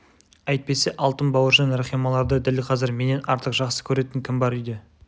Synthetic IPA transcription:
ɑjt̪̚pe̞se̞ʔɑlˠt̪ənbɑwəʒɑnɾeχijmɑlˠɑɾd̪əd̪ælqʰɑzɪɾme̞ne̞nʔɑɾt̪əqʒɑqsə̥kʲʰɵɾe̞t̪ɪŋkʲʰɪmbɑɾʏjd̪e

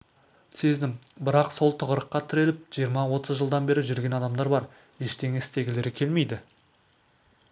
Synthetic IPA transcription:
se̞zd̪ɪmbɪɾɑqso̞lˠt̪ʰəʁəɾəqːɑt̪ʰʏɾe̞lɪp̚ʒ̥ijəɾmɑwo̞t̪əzʒəlˠd̪ɑnbe̞ɾɪʒʏɾɡʲe̞nɑd̪ɑmd̪ɑɾbɑɾ | je̞ʃt̪e̞ŋɪst̪e̞ɡʲɪle̞ɾɪkʲʰe̞lme̞jd̪ɪ

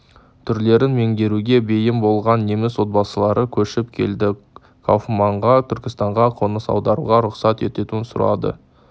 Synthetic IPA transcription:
t̪ʰʏɾle̞ɾɪnme̞ŋd̪e̞ɾuɡʲe̞be̞jɪmbo̞lˠʁɑnːe̞mɪswo̞t̪̚bɑsəlˠɑɾʔəkʲʰɵʃɪpkʲʰe̞̰ld̪ɪ | kʰa̰wfmɑɴʁɑt̪ʰʏɾkʲɪst̪ɑɴʁɑqʰo̞nəsɑ̰wd̪ɑɾṵʁɑɾʊqsɑt̪e̞t̪e̞t̪uɪnsʊ̰ɾɑ̰d̪ə̰

